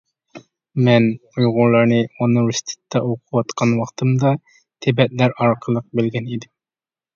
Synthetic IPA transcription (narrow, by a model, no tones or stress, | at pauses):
mɛnujʁʊɾlˠɑɾnɨonɨɾust̪ʰɪ̥t̪ʰːɛoqʰuwɑt̪qʰɑnwɑχt̪ʰɨmd̪ɑ | t̪ʰebɛt̪̚læɾɑɾqʰəlˠəq̚bɪlɡʲɛnid̪ɪm